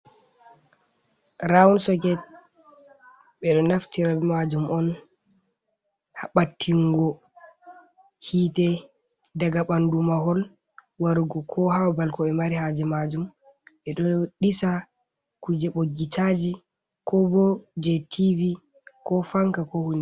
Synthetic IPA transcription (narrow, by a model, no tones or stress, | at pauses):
ɾaunsɔkɛt̚ | ɓɛɗɔnaftiɾabɛmad͡ʒumʔɔn | haɓatʰːiŋɡɔ | hiːtɛ | daɡaɓandumaɦɔl | waɾɡɔkʰɔhawabalkɔɛmaɾihad͡ʒɛmad͡ʒum | ɓɛɗɔɗisa | kud͡ʒɛɓoɡitad͡ʒi | kɔbɔd͡ʒɛtʰivi | kɔfaŋkakɔhuni